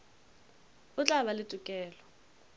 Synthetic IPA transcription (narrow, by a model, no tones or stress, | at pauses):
ʊt͡ɬʼaβalɪtʼʊkʼɛːlɔ